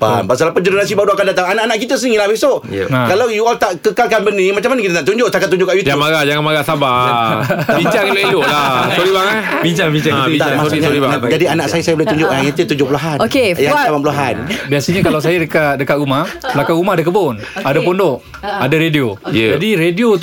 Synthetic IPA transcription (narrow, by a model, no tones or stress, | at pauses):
pa̰npasalapəd͡ʒəɾonas̬ibaduakandat̪aŋanaʔanaʔk̬it̪əs̬əniŋilahbesoʔakalawjualt̪aʔkəkalkanbənĩmat͡ʃamanakit̪ənaʔt̪uɲd͡ʒoʔsakat̪ːuɲd͡ʒoʔkaʔjut̪jamaɡad͡ʒaŋamaɡasaba | abiɲt͡ʃaŋiloʔiloʔlasoɾibaŋabiɲt͡ʃaŋbiɲt͡ʃaŋkt̪aamasɲiaad͡ʒadianaʔsajasajabolat̪uɲd͡ʒoʔlajat̪ət̪uɲd͡ʒʊpuluɦanokejaŋamapulɦanbiasəɲakalawsajadəkat̪̚dəkat̪̚ɾumahsəlakaŋɾumaɦadak̬əbon | adapondoʔ | adaɾediojd͡ʒadiɾedio